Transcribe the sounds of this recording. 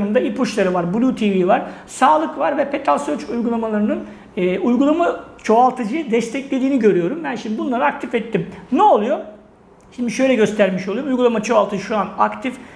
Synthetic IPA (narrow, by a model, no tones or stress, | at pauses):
mɯnd̪aipuʃlˠaɾɯvaɾbulʲuːt̪ʰivivaɾ̥ | saːlˠɯkvaɾvɛpʰe̞t̪ʰɾalʲˠsøt͡ʃujɡulˠamalˠaɾɯnɯn | ɛːujɡulˠamat͡ʃʰo̞alˠt̪ʰɯd͡ʒɯd̪ɛst̪ʰɛclʲe̞d̪iːniɟø̞ɾyjo̞ɾumbænʃimd̪ibunlˠaɾɯak̚t̪ʰifɛt̪ːimnɛolˠujo̞ | ʃind̪iʃø̞jlʲɛɟø̞st̪ʰæɾmiʃolˠujɾumujɡulˠamat͡ʃʰo̞alˠt̪ɯd͡ʒɯʃuanakt̪ʰif